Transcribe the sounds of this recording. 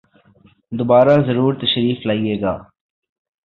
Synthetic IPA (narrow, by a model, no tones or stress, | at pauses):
d̪obaːɾaːzəɾuːɾt̪əʃɾiːflaːieːɡaː